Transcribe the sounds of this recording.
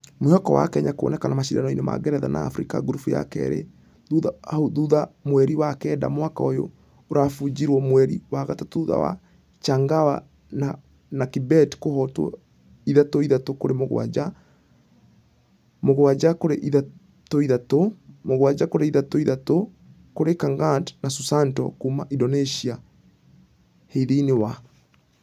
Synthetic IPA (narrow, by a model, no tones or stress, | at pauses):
moɔkɔwa̰kɛɲakoɔ̰nɛkanamaʃidanɔinema̰ɡɛɾɛða̰na̰ːfɾika̰ɡuɾufuja̰kɛ̰ɾḛ | uðaoðuðamwɛɾiwakɛːda̰mwakaojo̰ | oɾafud͡ʒiɾwɔmwɛɾiwaɣatatuða̰wa̰ | t͡ʃaŋɡawa̰ | na | nakibɛtkohɔtɔ̰ | iðatoiðatokoɾemoɣo̰a̰d͡ʒa | moɣowad͡ʒakoɾeʔiða | toiðatomoɣowad͡ʒakoɾeiðatoiðato | koɾekaŋɡantnasusantɔ̰kuma̰ʔidɔneʃia | heiðeinewa